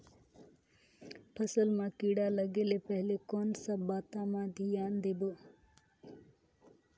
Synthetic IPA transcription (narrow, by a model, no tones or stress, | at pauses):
pʰəsəlmãːkiːɽaːləɡeːlepəɦɪlekoːnsəbaːt̪ãːmãːd̪ijaːnd̪eːboː